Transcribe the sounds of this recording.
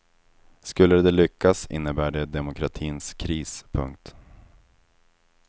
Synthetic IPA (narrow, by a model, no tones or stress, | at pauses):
skɵlːəd̪ɛlʏkːasɪ̰nːəbæːɖɛd̪ɛmʊkʰɾat̪ʰiːnskʰɾiːspʰɵ̰ŋk̚t̪